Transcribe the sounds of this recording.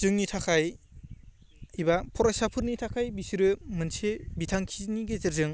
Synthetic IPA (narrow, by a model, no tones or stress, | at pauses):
z̥ɯŋnitʰakʰaj | ibapʰɔɾasapʰɯɾnitʰakʰajbisiɾɯmɯnsʰebitʰaŋkʰizniɡezɯɾzɯŋ